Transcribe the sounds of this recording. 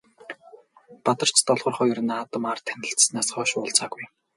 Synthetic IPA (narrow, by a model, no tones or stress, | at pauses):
pat̪ɞ̆r̥t͡ɕt̪ɔɮʁɞ̆rχʊj̆rɘ̆naːt̪ə̆mart̪ʰːænʲɪ̆ɬt͡ssnæːsχɔːʃpɔɮt͡saːɣuj